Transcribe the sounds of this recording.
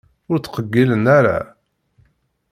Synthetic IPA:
ʊɾt͡sːqəɡːilənaɾa̰

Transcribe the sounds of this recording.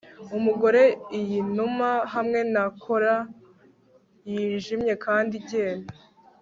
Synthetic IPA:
umuɡo̞ɾe̞ijinumaɦamŋe̞nakʰo̞ɾa | jiːnʒimɲe̞kaːndiɟe̞ːna

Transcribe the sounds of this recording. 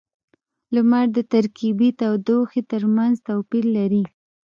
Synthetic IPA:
lʊmaɾd̪ət̪aɾkibit̪awd̪oxet̪əɾmanzt̪awpiɾlaɾi

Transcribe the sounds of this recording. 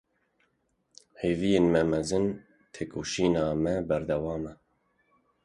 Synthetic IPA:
heːvijeːnmɛmɛzɨn | t̪ʰeːkʰoːʃiːnɑːmɛbɛɾd̪ɛwɑːmɛ

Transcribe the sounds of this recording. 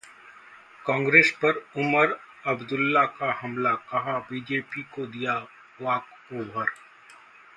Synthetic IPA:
kɔ̃ːŋɡɾeːspɐɾʊməɾ | ɐbd̪ʊlːakahɐmlakɐɦabiːd͡ʒeːpikod̪ija | ʋaːk | oːbʱəɾ

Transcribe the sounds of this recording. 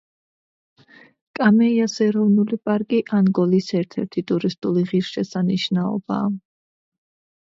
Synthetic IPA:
kʼamɛiasɛɾɔvnulipʼaɾkʼiʔanɡɔlisɛɾt̪ʰɛɾt̪ʰit̪ʼuɾist̪ʼuliʁiɾʃɛsaniʃnaɔ̰ba̰ː

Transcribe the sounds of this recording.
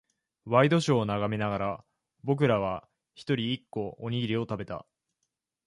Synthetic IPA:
βaid̪o̞ɕo̞ːnaɡamenaɡaɾa | bo̞k̬ɯ̟ɾaβ̞a | çi̥t̪o̞ɾʲiːkːo̞oɲ̟iɡʲiɾʲio̞t̪abe̞t̪a̰

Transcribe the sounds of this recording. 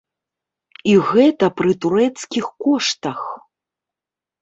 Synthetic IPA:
iɣɛt̪ɐpɾɨt̪uɾɛt̪skʲixkɔʂt̪ɐx

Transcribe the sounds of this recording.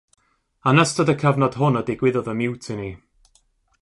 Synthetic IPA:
anəstədəkʰəvnɔd̥ɦʊnədɪɡwɪðɔðəmɪwtʰɪni

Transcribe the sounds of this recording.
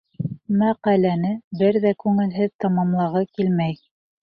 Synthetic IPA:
mæqælænɘbɘɾðækʉŋɘ̆lɦɘðt̪ɑmɑmlˠɑʁɑkilmæj

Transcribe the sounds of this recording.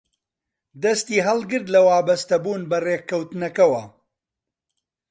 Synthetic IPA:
d̪ɐst̪iːɦɐlˠɡɨɾd̪lɐwaːbɐst̪ɐbuːnbɐreːkʰːɐwt̪ɨnɐkɐwɐ

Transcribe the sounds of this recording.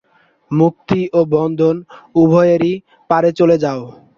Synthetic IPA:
muk̚t̪iʔobɔnd̪ʱonubʱɔjeɾi | paɾet͡ɕoled͡ʑao

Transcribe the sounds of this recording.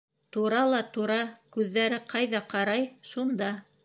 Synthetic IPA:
t̪uɾɑlˠɑt̪uɾɑkʉðːæɾɘqɑjðɑqɑɾɑjʃund̪ɑ

